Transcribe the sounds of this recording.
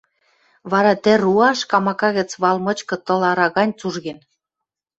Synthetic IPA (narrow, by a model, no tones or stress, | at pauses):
βɑɾɑt̪ɘ̆ɾuɑʃkɑmɑkɑɣə̆t͡sβɑlmɤ̆t͡ɕkɤ̆t̪ɤ̆lɑɾɑɣɑnʲt͡suʒɣen